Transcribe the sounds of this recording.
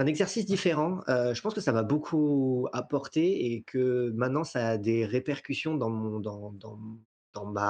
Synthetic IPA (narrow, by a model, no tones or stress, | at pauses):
ɛ̃nɛɡzɛʁsis̬d̪ifeʁɑ̃øʒəpɑ̃skəsamabokʰuapɔʁt̪eekʰəmɛ̃t̪nɑ̃saːd̪eʁepɛʁkʲysjɔ̃d̪ɑ̃mɔ̃d̪ɑ̃d̪ɑ̃ | d̪̥ɑ̃ma